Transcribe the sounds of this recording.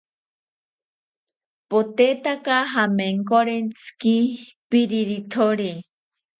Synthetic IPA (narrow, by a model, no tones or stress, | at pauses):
pot̪et̪akaɦameŋkoɾent͡sʰɨ̥kipiɾiɾit̪ʰoɾe